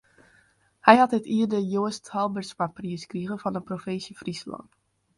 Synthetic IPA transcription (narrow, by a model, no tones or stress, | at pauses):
hɛjhɑtnɛtiərdəjoəsthɔlˠbərtspapriəskriɣəfɑnənprofɪnsjəfrislɑ̰nt